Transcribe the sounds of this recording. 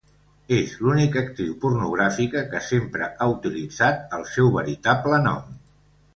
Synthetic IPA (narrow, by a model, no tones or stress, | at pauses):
ezlunikək̚t̪ɾiwpurnuɣɾafikəkəsempɾə̰ʔaut̪ilid͡zat̪̚əlˠsɛwβəɾit̪aplənɔ̰m